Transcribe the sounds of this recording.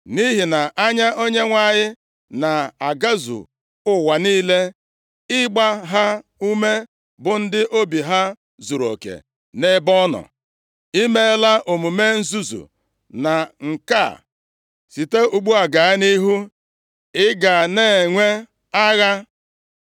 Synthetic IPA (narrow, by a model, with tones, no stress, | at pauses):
ni˦ɦi˨na˨ʔa˦ɲa˦ʔo˦ɲe˦ŋʷa˦˨ɲɪ˦ | na˨a˨ɡa˦zṵ˨ | ʊ˦wa˨niː˦le˦ | ɪ˦ɡ͡ba˦ɦa˦u˦me˦ | bʊ˨n̩˦dɪ˦ʔo˦bi˨ɦa˦ | zu˨ɾo̰˨kḛ˨ | ne˦bɔ˦nɔ̰˨ | i˦me˦la˦ʔo˨mu˨me˦n̩˦zu˦zṵ˨ | na˨ŋ̩˨ka̰˦˨ | si˨te˦u˨ɡ͡bu˦a˨ɡa˨˦ni˦ɦu˦ | ɪ˦ɡa˨neː˦˨ŋʷe˦ | a˦ɣa˦